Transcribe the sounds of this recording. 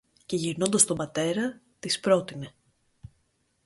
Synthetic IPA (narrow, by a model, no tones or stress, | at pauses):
ce̞ʝiɾno̞nd̪ɐst̪o̞mbɐt̪e̞ɾɐ | t̪ispɾo̞t̪ine̞